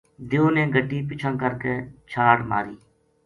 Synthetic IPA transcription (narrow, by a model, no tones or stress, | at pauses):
d̪eoːnẽːɡʱəʈːiːpɪt͡ʃʰãːkəɾkeːt͡ʃʰaːɽma̰ːɾiː